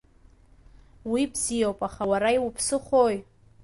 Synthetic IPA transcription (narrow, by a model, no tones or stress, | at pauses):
wibzijowpʼaχawaɾaiwpʰsɨχoj